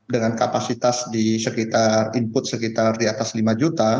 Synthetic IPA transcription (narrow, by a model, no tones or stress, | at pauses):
dəŋankapasit̪asdisəkit̪arimpʊt̪̚səkit̪ardiat̪aslimad͡ʒut̪a